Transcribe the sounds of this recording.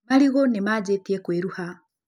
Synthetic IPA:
maliɣonemad͡ʒetiekweɾuha

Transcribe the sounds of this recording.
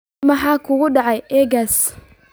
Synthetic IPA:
mɐħɑːkʰʊɣʊɖɑʕɑjʔɛːɡas

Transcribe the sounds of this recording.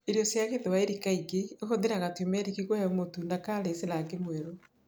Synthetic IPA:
eɾjɔsjaɣeðwaeɾikaiɡeeɣoðeɾaɣatiomɛɾikiɣwɛomotundakaɾeselaɡemwɛɾo

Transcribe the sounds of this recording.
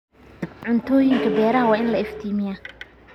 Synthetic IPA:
ʕʊnt̪ʰɔːjɪŋkʰɐbɛːɾɐɦɐwɑːɪnlɐɪft̪ʰiːmɪjɐ

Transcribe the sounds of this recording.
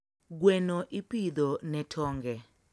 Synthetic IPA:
ɡwɛnɔʔipid̪ɔnɛtʰɔːŋɡɛ

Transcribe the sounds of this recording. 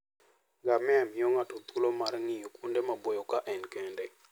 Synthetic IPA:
ɡamɛamioŋatot̪ulomarŋɪjokundemabojokaʔɛnkende

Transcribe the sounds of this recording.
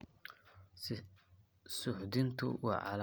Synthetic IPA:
sʊħd̪ɪnt̪ʰʊ̰wɑ̰ːʕɑ̰l

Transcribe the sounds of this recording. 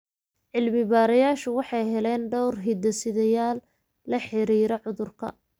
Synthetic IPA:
ʕɪlmɪβaːɾɐjaːʃʊwɑħɑjɦɛlɛnɖɔwrɦɪd̪ɐsɪðɐjaːlː | ɐħɪɾiːɾɔʕʊðʊrkʰɐ̰

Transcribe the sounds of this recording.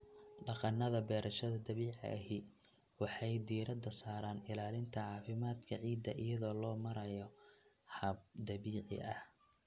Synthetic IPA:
ɖɑqɑnːɐðɐbɛːɾʔɐʃɐðɐd̪ɐβiːʕ̰ɐɦi | wɑħɑjd̪iːɾɐd̪ɐsaːɾaːnɪlaːlɪnt̪ʰɐʕɑːfɪmaːd̪kʰɐʕiːd̪ːɐʔɪjɐðɔːlɔːmɐɾɐjɔ | hɐb̚d̪ɐβiːʕɪ̰ʔɐ̰h

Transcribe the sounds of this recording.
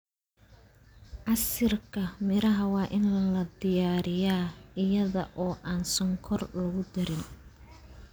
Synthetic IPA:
ʔɐsɪrkʰɐmɪɾɐɦɐwɑːʔɪnlɐlɐd̪ɪjaːɾɪjaːɪjɐðɐʔɔːʔaːnsɔŋkʰɔrlɐɣʊd̪ɐɾɪn

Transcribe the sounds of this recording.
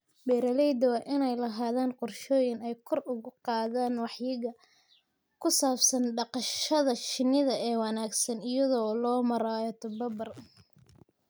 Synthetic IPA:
bɛːɾɐlɛjd̪ɐwaːʔɪnɛjlɐɦaːðaːnqʊrʃɔːjɪnɛjkʰɔrʊɣʊqɑːðaːnwɑħjɪɣɐ | kʰʊsaːbsɐnɖɑqɑʃɐðɐʃɪnɪðɐɛːwɑnaːɡsɐnɪjɐðɔːlɔːmɐɾaːjɔt̪ʰʊbɐbɐr

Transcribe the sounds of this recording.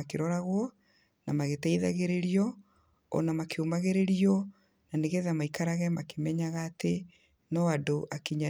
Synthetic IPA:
akeɾɔɾaɣwɔ | namaɣetaiða̰ɣeɾeɾiɔ | ɔ̰namakʰeomaɣeɾeɾiɔ | naneɣeðamaikaɾaɣɛmakemɛɲaɣaːte | nɔadoʔakiɲa

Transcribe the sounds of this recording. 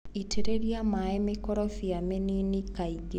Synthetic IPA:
itʰeɾeɾiamaɛmekɔɾɔfiameninikaiɡe

